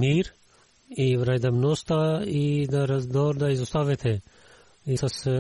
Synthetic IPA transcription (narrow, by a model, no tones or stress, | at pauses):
miːɾ | iːʋɾaːjd̪ɐmnoːst̪aːid̪aɾɐd̪oːɾd̪aːizʊst̪aːʋet̪ʰe | isɐs